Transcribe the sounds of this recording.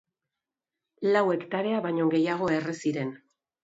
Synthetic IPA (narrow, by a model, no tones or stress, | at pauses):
lawe̞kt̪aɾe̞aβaɲo̞ɡe̞jaɣ̞o̞e̞resiɾe̞n